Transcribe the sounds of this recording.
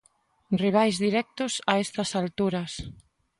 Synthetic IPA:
riβ̞ajzðiɾɛk̚t̪ʊsaɛst̪ɐsalt̪uɾɐs

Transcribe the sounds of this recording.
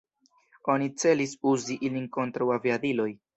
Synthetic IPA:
o̞nit͡se̞lisuziʔilinko̞ntɾawaviadilo̞j

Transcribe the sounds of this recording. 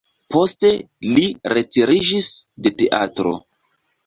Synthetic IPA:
po̞ste̞ | liɾe̞tiɾid͡ʒisde̞te̞ʔatɾo̞̰

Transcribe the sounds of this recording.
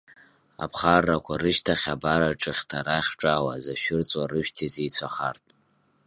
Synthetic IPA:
a̰pʰχarːakʷʰarɨʃtʰaχʲabaɾaʈ͡ʂʼɨχʲtʰaɾaχʲʈ͡ʂʼawazaʃᶣʊrt͡sʼwarɨʃᶣtʰizejt͡sʷʰaχa̰rtʼ

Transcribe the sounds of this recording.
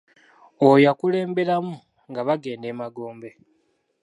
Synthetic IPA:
ojakule̞ːmbe̞ɾamu | ŋɡaβaɡe̞ːnde̞ːmaɡo̞ːmbe̞

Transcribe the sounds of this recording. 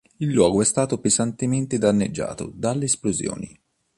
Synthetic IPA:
ilːwɔːɡoɛst̪aːt̪opezant̪ement̪ed̪anːed͡ʒːa̰ːt̪o̰d̪alːeːsplozjɔ̰ːnḭ

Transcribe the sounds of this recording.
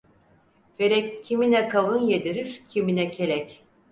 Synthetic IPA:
felɛcʰːiminɛkʰalˠɯnjed̪iɾiɾ̥cʰiminɛcʰelʲɛc

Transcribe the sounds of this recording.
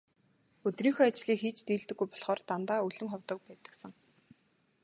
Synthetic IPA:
ɵt̪riːŋxoːat͡ɕɮiːkxiːt͡ɕt̪iːɮt̪ɘ̆ɡːujpɔɮχɔːrt̪ant̪aːɵɮɵ̆mχɔwt̪ɞ̆k̚pæːt̪ə̥̆ksə̆ŋ

